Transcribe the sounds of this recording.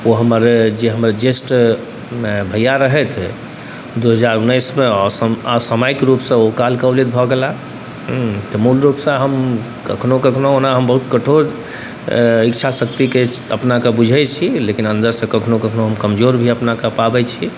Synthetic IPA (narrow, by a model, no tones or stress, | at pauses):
oɦəməɾd͡ʒeɦəmɾd͡ʒesʈ | bʱəjaɾəɦɛt̪ʰ | d̪uɦəd͡ʒaɾunːəjsmeɔsəɔsəmaikɾupsə̃okalkəblit̪̚bʱɔɡela | t̪ɔmulɾupsə̃ɦəm | kəkʰnokəkʰnoonaɦəmbəɦut̪kəʈʰoɾ | ikt͡ʃʰasəkt̪ike | ə̰pnakebud͡ʒʱɛt͡ʃʰilekinənd̪əɾsə̃kəkʰnokəkʰnoɦəmkəmd͡ʒoɾbʱiəpnakepabɛt͡ʃʰi